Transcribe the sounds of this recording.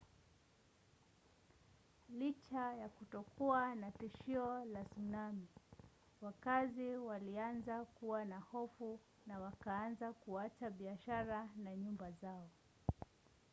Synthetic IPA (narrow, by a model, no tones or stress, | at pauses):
lit͡ʃajakutɔkuanatiʃiɔlasunami | wakaziwalianzakuwanahɔfu | nawakaanzakuat͡ʃaɓiaʃaɾanaɲumbazaɔ